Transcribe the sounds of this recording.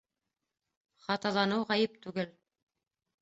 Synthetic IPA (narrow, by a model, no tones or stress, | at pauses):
χɑt̪ɑlˠɑnɤwʁæjɘpt̪ʉɡɘl